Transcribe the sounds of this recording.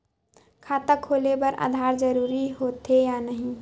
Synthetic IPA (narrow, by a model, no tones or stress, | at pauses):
kʰaːt̪əkʰːoːlebɐɾʔa̰ːd̪ʱaːɾd͡ʒəɾuːɾiɦoːt̪ɦejaːnəɦĩ